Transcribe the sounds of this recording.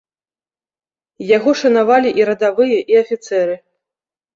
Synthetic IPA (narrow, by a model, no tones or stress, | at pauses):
jaɣɔʂɐnavalʲiʔiɾɐd̪avɨjɐʔiɐfʲit̪sɛɾɨ